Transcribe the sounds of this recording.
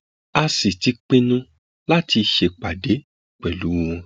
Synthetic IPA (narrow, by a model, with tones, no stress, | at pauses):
a˧si˨ti˨˦k͡pĩ˦nũ˦ | la˦ti˧ʃe˧˨k͡pa˨de˨˦ | k͡pɛ˨lu˨˦w̃ɔ̃˧